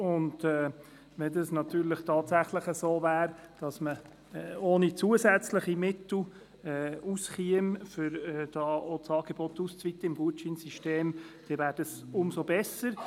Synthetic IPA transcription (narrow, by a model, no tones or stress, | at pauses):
ʊndɛː | ʋɛd̪ɑsnɑt̪yːɾləχt̪ʰɑːt̪sæχləχəsoːvæːɾd̥ɑsmə | oːnit͡suəsæt͡sləχimɪt̪l̩ | ɛːusχiəmfʏɾɛːd̥ɑːot͡sɑːɡ̥eb̥ɔt̪ːust͡sʋit̪ːəɪmɡuət͡ʃinsiʃteːm | d̥ɛvæːɾd̥əsʊmsobɛsəɾ